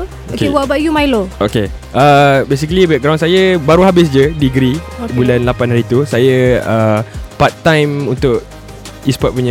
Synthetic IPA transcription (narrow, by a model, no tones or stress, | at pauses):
okewabajumajloʔoke | ʔəbes̬ikəlibɛk̚ɡɾãwnsajəbaɾuɦabɪs̬d͡ʒədiɡɾibulanlapanhaɾit̪usajəəpat̪ːãjmunt̪ʊʔ | ispɔt̚puɲə̃